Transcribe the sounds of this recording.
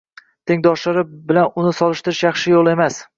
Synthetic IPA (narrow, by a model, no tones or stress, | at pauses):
t̪ʰeŋd̪ɒʃlaɾɪbɪlanʊnɪsɒlˠɪʃt̪ɪɾɪʃjɑχʃɪjolˠe̞mas